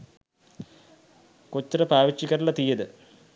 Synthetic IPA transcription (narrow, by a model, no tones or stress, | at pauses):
kot͡ɕːɐɾɐpaːʋit͡ɕːikːɐɾuɭɐt̪ijɐd̪ɨ